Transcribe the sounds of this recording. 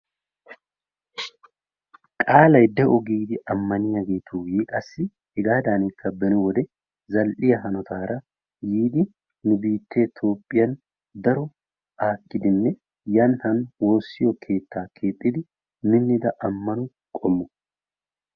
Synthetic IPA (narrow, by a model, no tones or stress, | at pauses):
kʼaːlɐjd̪ɛʔɔɡiːd̪ɪʔɐmːɐnɪjɐɡeːt̪ʰuːjɛkʼɐsːɪ | hɛɡaːd̪aːnɪkːɐbɛnʊwɔd̪ɛ | zɐlʔɪjɐɦɐnɔt̪ʰaːɾɐ | jiːd̪ɪ | nʊbiːt̪ːe̞ːt̪ʰo̞ːpʼːɪjɐn | d̪ɐɾɔ | ʔaːkːɪd̪ɪnːɛ | jɐnhɐnwo̞ːsːɪjɔkʰe̞ːt̪ːaːkʰe̞ːt̪ʼːɪd̪ɪ | mɪnːɪd̪ɐʔɐmːɐnʊ | kʼɔmːʊ